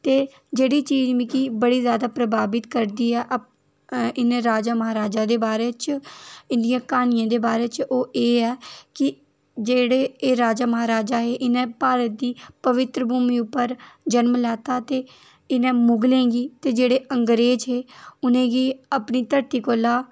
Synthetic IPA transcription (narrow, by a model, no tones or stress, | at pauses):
t̪eː | d͡ʒeːɽiːt͡ʃiːd͡ʒmĩːkiːbəɽiːzjaːd̪aːpɾəbaːbɪt̪kəɾd̪iːɛːʔ | ɪnẽːɾaːd͡ʒaːməɦaːɾaːd͡ʒaːd̪eːbaːɾeːt͡ʃɪ̃nd̪ijãːkaːnɪjãːd̪eːbaːɾeːt͡ʃoːʔeːɛːkɪ | d͡ʒeːɽeːeːɾaːd͡ʒaːməɦaːɾaːd͡ʒaːɦeːʔɪnẽːpaːɾət̪̚d̪iːpəʋɪt̪ɾəbʱuːmiːʊpːəɾd͡ʒənmlɛːt̪aːt̪eː | ɪnẽːmʊɡlẽːɡiːt̪eːd͡ʒeːɽeːʔəŋɡɾeːd͡ʒɦeːʊnẽːɡiːapniːt̪əɾt̪iːkoːlaː